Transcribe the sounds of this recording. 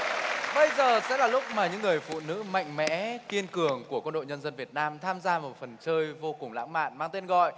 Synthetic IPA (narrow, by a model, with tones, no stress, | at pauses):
ɓə˧jzəː˨˩sɛ̰˧˥laː˨˩lʊ˦˥k͡p̚maː˨˩ɲɨ̰˧˥ŋːɨ˨˩əjfṵ˧˨nɨ̰˧˥ma̰˧˨jŋ̟mɛ̰˧˥ki˧ənkɨ˨˩əŋku˧˩əkwə˧nɗo̰˧˨jɲə˧nzə˧nvi˨˩ət̚naː˧mt̪ʰaː˧mzaː˧mo˨˩t̚fə˨˩nt͡ɕəː˧jjvo˧kʊ˨˩ŋ͡mla̰ː˧˥ŋma̰ː˧˨nmaː˧ŋt̪e˧nɣɔ̰˧˨jʔ